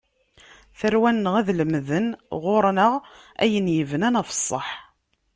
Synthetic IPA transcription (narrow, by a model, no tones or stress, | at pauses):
θəɾwænːəʁæðləmːðənʁʊɾˤnəʁ | æ̰jənjəvənænæfə̥sˤːəħ